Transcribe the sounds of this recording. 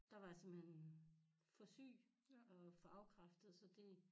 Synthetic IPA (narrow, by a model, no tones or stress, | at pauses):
d̥ɑ̈ʋɑ̈jsemb̥hen | fɒsy̰ː | ɒfɒɑ̈ʊkʰʁɑ̈fd̥əð̩ˠsɒ̽d̥e̝